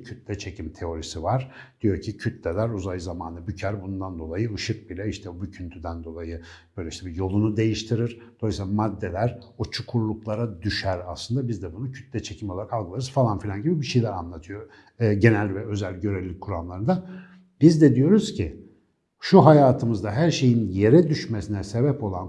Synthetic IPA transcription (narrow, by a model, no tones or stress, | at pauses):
cʰyt̪lʲɛt͡ʃʰe̞cʰimt̪ʰe̞o̞ɾisivaɾd̪̥ijo̞ɾcʰicʰyt̪lʲɛlʲæɾuzajzamaːnɯbycʰæɾbunnd̪and̪o̞lˠajɯɯʃɯk̚bilʲɛiʃt̪ʰɛbycʰynt̪ʰyd̪ænd̪o̞lˠajɯb̥øjlʲɛiʃt̪ɛbijo̞lˠunud̪e̞jiʃt̪ʰiɾiɾ̥ | d̪̥osmad̪ːe̞lʲæɾ | ot͡ʃʰukʰuɾlˠuklˠaɾad̪yʃæɾaslˠɯnd̪abizd̪ɛbunucʰyt̪lʲɛt͡ʃʰecʰimɛolˠaɾakʰalˠɡɯlˠaɾɯz̥falˠanfilʲanɟibibiʃejlʲæɾa̰nlˠat̪ʰɯjo̞ː | ɟe̞nælʲvɛø̞zælʲɟø̞ɾevlʲic̚ʲkʰːuɾamlˠaɾɯnd̪a | b̥izd̪ɛd̪ijo̞ɾuz̥cʰi | ʃuɦajaːt̪ʰɯmɯzd̪aɦæɾʃe̞jinje̞ɾɛd̪yʃmesinɛse̞bɛpʰo̞lˠan